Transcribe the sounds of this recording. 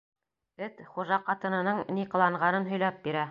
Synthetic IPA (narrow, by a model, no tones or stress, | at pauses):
ɘt̪χuʒɑqɑt̪ɤ̆nɤ̆nɤɴniqɤ̆lˠɑɴʁɑnɤnɦɵ̆jlˠɑp̚biɾæ